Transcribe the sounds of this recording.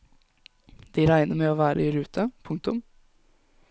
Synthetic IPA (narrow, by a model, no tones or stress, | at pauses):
d̪̥iɾæɪnəɾmeːoːʋæːɾʔəiɾʉːt̪ʰəpʰʊŋk̚t̪ʊm